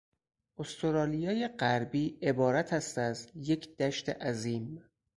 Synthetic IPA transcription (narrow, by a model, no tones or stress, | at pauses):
ʔost̪ʰoɾɒːlijɒːjeɢæɾbiːʔe̞bɒːɾæt̪ʰæst̪æzje̞cʰd̪̥æʃt̪ʰḛʔæziːm